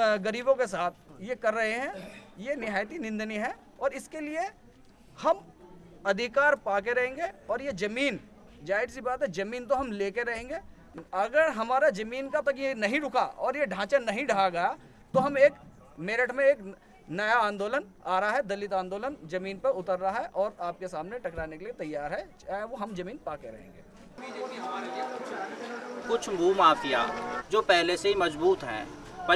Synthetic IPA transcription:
ɡɐɾiːbõkesaːt̪̚ʰjekɐɾːɐɦeɦɛ̃jenɪɦaːjt̪̬inɪ̃nd̪niɦɛ | ɔːɾɪskelie | hɐm | ɐd̪ʱɪkaːɾpaːk̬eɾɐɦẽːŋɡeɔːɾjed͡ʒɐmiːn | d͡ʒaːɪɾsibaːt̪ɦɛd͡ʒɐmiːnt̪̬oɦɐmleːkeɾɐɦẽːŋɡe | ɐɡəɾɦɐmaːɾad͡ʒɐmiːnkat̪ɐkinɐɦĩɖʊkʰaɔːɾjeɖʱãːt͡ʃanɐɦĩɖʱaːaɡɐja | t̪oɦɐmeːk | meːɾɪʈmẽeːk | nɐjaãːnd̪oːlənaːɾaɦɛd̪ɐlɪt̪ãːnd̪oːlənd͡ʒɐmiːnpɐɾʊt̪əɾːɐɦaɦɛʔɔːɾaːp̚kesaːmneʈɐkɾaːnekeliet̪ɐjːaːɾɦɛt͡ʃaːɦeʋoɦɐmd͡ʒɐmiːnpaːkeɾɐ̰ɦḛ̃ːŋɡḛː | ɦeeʊt͡ʃ | kʊt͡ʃʰmuːmaːfija̰ːd͡ʒoːpɛɦleseɦimɐzbuːt̪ɦɛ̰̃ːpɐ

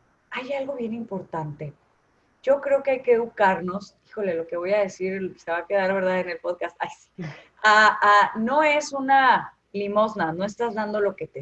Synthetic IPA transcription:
ajalɣo̞β̞je̞nimpo̞ɾt̪ant̪e̞ | ʝo̞kɾeo̞keajkeukaɾno̞s | i̥xo̞le̞lo̞ke̞βo̞jaðe̞siɾse̞βake̞ðaɾβe̞ɾð̞aðene̞lpo̞ðkast̪ajsi̥ | aano̞e̞suna | limo̞znano̞e̞st̪azðand̪o̞lo̞ke̞t̪e

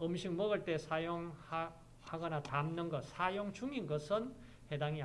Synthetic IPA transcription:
ɯmɕʰikmʌɡɯɭt͈e̞sʰajoŋ | haɡʌnatamnɯnɡʌt̚sʰajoŋt͡ɕuŋinɡʌsʰɯn | he̞daŋi

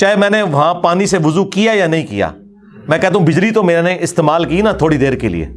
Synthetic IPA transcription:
t͡ʃaːɦemɛ̃ːneʋɐɦãpaːniseʋʊzukijajanɐɦĩkija̰ː | mɛ̃ːkɛɦt̪aɦũbʱɪd͡ʒɾit̪omeːɾanẽʔɪst̪eːmaːlkinat̪ʰoːɽid̪eːɾkḛlḭḛː

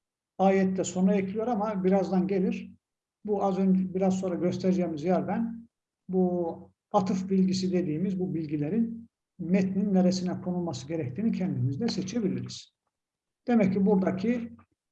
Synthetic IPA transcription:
aːjɛt̪ːɛso̞nɾaɛcʰlʲijo̞ɾamabiɾazd̪anɟe̞lʲiɾ | buazø̞nd͡ʒbiɾazso̞nɾaɟø̞st̪ʰɛɾd͡ʒɛːmizjæɾbæn | bu | at̪ʰɯfbilʲɟis̬id̪e̞d̪iːmizbubilʲɟilʲeɾin | mɛt̪ninːeɾesinɛkʰo̞nulˠmasɯɟeɾɛc̚t̪ʰiːnicʰɛnd̪imizd̪ɛsɛt͡ʃʰe̞bilʲiɾiz̥ | d̪̥e̞mɛcːibuɾd̪acʰi

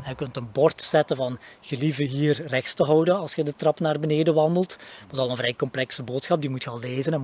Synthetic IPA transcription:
əkɵntənbɔrtsɛtəvɑnɣəlivəɦiːrrɛxstəɦɔwdənɑlˠsxədətrɑpnaːrbəneːdəʋɑndəlˠtʋɑsɑlˠənvrɛjkɔmplɛksəboːtsxɑp̚dimutxəɑlˠːeːzənɛn

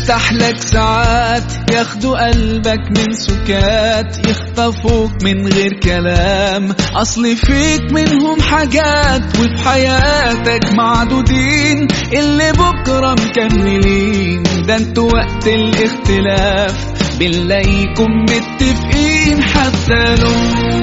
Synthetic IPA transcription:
t̪aħlaksaʕaːt̪jaxd̪uʔalbakmɪnsʊkːaːt̪jɪxt̪ɑfuːkmɪnɣeːɾkalaːmʔɑsˤlifiːkmɪnɦʊmħaɡaːt̪wɪfiħajaːt̪akmaʕd̪uːd̪iːnʔɪlːibʊkɾˤɑmkamːɪliːnd̪ant̪ʊwaʔt̪ɪlʔɪxt̪ɪlaːf | bɪlːajkʊmbɪt̪ːɪfʔiːnħat̪ːalʊː

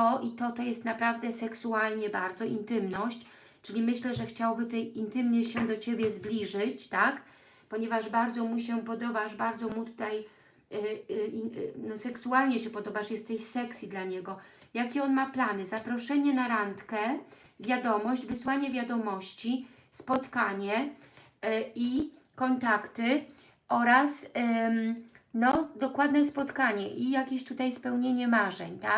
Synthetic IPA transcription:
ɔʔit̪ɔt̪ɔjɛst̪napɾavd̪ɛsɛksualɲɛbaɾd̪zɔʔint̪ɘmnɔɕt͡ɕ | t͡ʂɘlʲimɘɕlɛʐɛxt͡ɕawbɘt̪ɛjint̪ɘmɲɛɕɛd̪ɔt͡ɕebʲjɛzblʲiʐɘt͡ɕt̪ak | pɔɲɛvaʐbaɾd̪zɔmuɕ̬ɛpɔd̪ɔbaʂbaɾd̪zɔmut̪u̥t̪aj | nɔsɛksualɲɛɕɛpɔd̪ɔbaʂjɛst̪ːɛɕsɛksʲjid̪laɲɛɡɔjakʲɛɔnmaplanɘzapɾɔʂɛɲɛnaɾant̪kɛ | vʲjad̪ɔmɔʑd͡ʑvɘswaɲɛvʲjad̪ɔmɔɕt͡ɕi | spɔt̪kaɲɛ | i | kɔnt̪akt̪ɘ | ɔɾas | nɔd̪ɔkwad̪nɛspɔt̪kaɲɛʔijakʲeɕt̪ut̪ajspɛwɲeɲɛmaʐɛ̰ɲt̪ak

